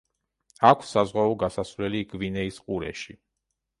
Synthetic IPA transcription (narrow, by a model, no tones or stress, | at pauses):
akʰsazʁwaɔɡasasvlɛliɡvinɛisqʼuɾɛ̰ʃi